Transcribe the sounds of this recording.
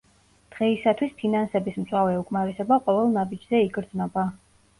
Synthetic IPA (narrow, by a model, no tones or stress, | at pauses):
d̪̥ʁɛisat̪ʰwispʰinansɛbismt̪sʼwavɛukʼmaɾɛsɛbaqʼɔvɛlˠnabid͡ʒzɛiɡʼɾd̪znɔba